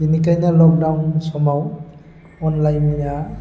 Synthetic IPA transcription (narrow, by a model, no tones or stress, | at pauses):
inikajnalɔk̚dawnsɔmaw | ɔnlajnija